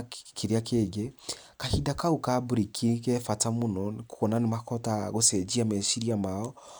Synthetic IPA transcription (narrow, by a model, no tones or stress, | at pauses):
kiɾiakʰeːɡekahidakaukabuɾikʰikɛfatamonɔkukɔnanemakɔtaɣosɛd͡ʒiamɛʃiɾiamaɔ